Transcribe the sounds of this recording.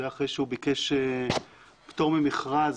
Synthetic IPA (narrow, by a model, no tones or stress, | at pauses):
eaχʁejʃeubikeʃe | pt̪o̞ʁmemiχʁaz